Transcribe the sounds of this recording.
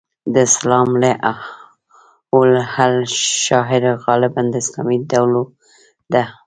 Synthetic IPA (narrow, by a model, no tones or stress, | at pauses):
d̪əslɑmleʔ | olhalʃɑɦɪɾɣɑlɪband̪əɪslɑmid̪awlo | d̪a